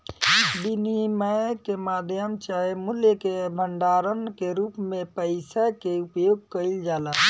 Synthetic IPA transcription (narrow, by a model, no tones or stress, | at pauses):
biniməkemaːd̪ʱjəmt͡ʃaemuljəkebʱəɳɖaːɾənkeɾuːpmẽpəɪsakeupjoːɡ̚kəild͡ʒaːla